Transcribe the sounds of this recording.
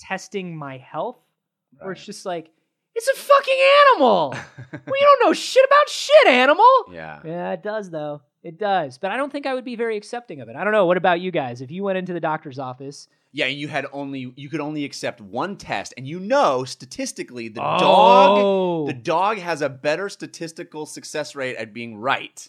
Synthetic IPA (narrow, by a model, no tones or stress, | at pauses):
tʰɛstɪ̃ŋmaɪhɛlˠθ | ə˞sd̥ʒ̥ʌst̚ˡlaɪk | ɨtsɨfʌkɪ̃ŋæñəml̩ˠwˠjɨɾõʊ̃nːoʊʃɪɾɨbaʊtʃɪɾæñəml̩ˠjæ̰jæɪt̚d̥ʌzðoʊ | ɨt̚d̥ʌzb̥ʌɾaɪɾõʊ̃θɪ̃ŋkaɪwɨd̚bivɛɹiɨksɛp̚tɪ̃ŋʌvɨɾaɪɾõʊ̃nːoʊwʌɾɨbaʊt͡ʃɨɡaɪzɨfjɨwɛ̃ɾ̃ɪ̃ntʉðɨdɔk̚tə˞zɔfɨs | jæɨ̃njɨɨɾõ̰ʊ̃nlijɨkɨɾõʊ̃nliɨksɛp̚t̚wʌ̃ntʰɛ̰stɨ̃njɨnoʊstɨtʰɪstɨkliðɨodɔ | ðɨdɔɡɨzɨbɛɾə˞stɨtʰɪstɨkl̩ˠsɨksɛsɹeɪɾɨ̰t̚b̥iɪ̃ŋɹa̰ɪt̚